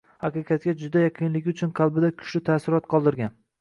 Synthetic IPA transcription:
haqɨqʰɑt̪̚kʲad͡ʒʊd̪ajaqʰɨnlɪɡʲʊt͡ʃʰʊnqʰɑlˠbɪd̪akʲʰʊ̥ʃlɪt̪ʰaːsɪɾɒt̪qʰɒlˠd̪ɪɾɡʲan

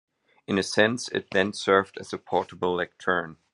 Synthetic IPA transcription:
ɨ̃nɨsɛ̃nsɪ̰t̪̚ðɨ̃nsɜ˞vdɨzɨpʰɔɹɾəbl̩ˠlɛk̚tʰɜ̃˞n

